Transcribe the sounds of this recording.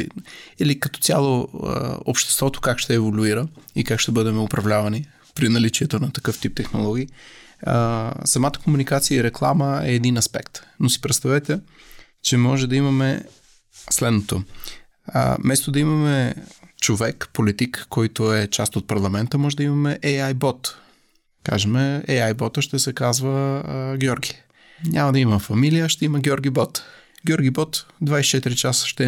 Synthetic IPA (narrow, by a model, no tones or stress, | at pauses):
ilikɐt̪ɔ̥t̪sʲalˠo̰ | o̰pʃt̪ɛ̥st̪vɔt̪o̥kakʃt̪ɛːvolʲuiɾəikakʃt̪ɛbɤd̪ɛmɛʊpɾɐvlʲavɐni | pɾinɐlit͡ʃiɛt̪onɐt̪ɐkɤft̪ip̚t̪ɛxnolˠɔɡʲiː | sɐmat̪ə̥komunikat̪sijəiɾɛklˠa̰məɛːd̪inɐspɛ̰kt̪nosi̥pɾɛt̪st̪ɐvɛt̪ɛ | t͡ʃɛmɔʒɛd̪ɐimɐmɛ | slɛd̪not̪o̰ | mɛst̪od̪ɐimɐmɛt͡ʃovɛkpolit̪ikːɔjt̪oɛt͡ʃast̪ot̪̚pɐɾlˠɐmɛnt̪əmɔʒɛd̪ɐimɐmɛʔɛjajbɔt̪ | ka̰ʒɛmɛɛjajbɔt̪əʃt̪ɛsɛkazvəɡʲjɔɾɡʲi | ɲʲamɐd̪ɐiməfɐmilijəʃt̪ɛiməɡʲjɔɾɡʲibɔt̪ | ɡʲjɔɾɡʲibɔt̪d̪vajsit͡ʃɛt̪iɾit͡ʃasə̥ʃt̪ɛ